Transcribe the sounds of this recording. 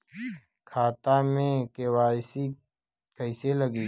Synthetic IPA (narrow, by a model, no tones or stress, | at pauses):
kʰaːt̪amẽkewaːɪsi | kəɪseləɡiː